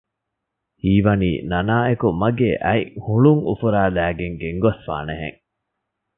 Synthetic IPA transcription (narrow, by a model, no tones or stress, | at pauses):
hiːʋɐnḭːnɐnaːekumɐɡeːʔæihuɭuŋṵfuɾaːlæːɡeŋɡeŋɡɐsfa̰ːneɦḛŋ